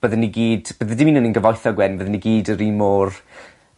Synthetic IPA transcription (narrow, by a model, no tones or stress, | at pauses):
b̥əðəniɡiːdb̥əðədɪmiːnəninɡəvɔjθɔɡwɛnvəðəniɡiːdəɾimɔːr